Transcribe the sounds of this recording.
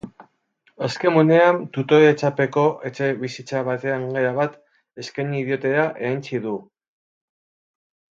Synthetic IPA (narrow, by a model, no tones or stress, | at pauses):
eske̞mone̞ant̪ut̪o̞ɾet͡sape̞ko̞ʔe̞t͡ʃe̞βisit͡saβ̞at̪e̞aŋɡe̞ɾaβat̪ | e̞skejniðjo̞t̪e̞ɾaʔe̞int͡siðu